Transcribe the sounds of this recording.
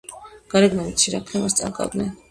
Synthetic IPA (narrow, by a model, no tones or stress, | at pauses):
ɡ̥ɑɾɛɡnɛmiiɾakʰnɛmast͡s̪ʼa̰kʼa̰ɡnɛ